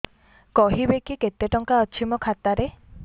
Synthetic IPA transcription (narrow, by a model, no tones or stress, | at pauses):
kɔɦibekiket̪ːeʈɔŋkaɔt͡ʃʰimɔkʰat̪aɾe